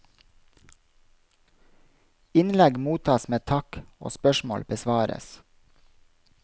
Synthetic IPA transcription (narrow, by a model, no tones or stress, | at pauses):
ɪnlɛɡmuːt̪ʰɑːsmeːt̪ʰɑko̰ːspœʃmo̰ːlbəsʋɑːɾə̰s